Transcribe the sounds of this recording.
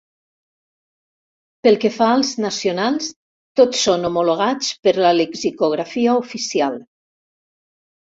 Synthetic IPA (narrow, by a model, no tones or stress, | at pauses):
pəlˠkefaəlˠznasiunalˠs | t̪otsːonomuloɣ̞at͡spəɾləlekzikuɣ̞ɾafiaufisial